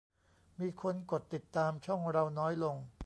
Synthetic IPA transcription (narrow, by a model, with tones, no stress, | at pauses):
miː˧kʰo˧nko˨˩t̪ːi˨˩t̪ːaː˧mt͡ɕʰɔ˥˩ŋɾa˧wnɔː˦˥jlo˧ŋ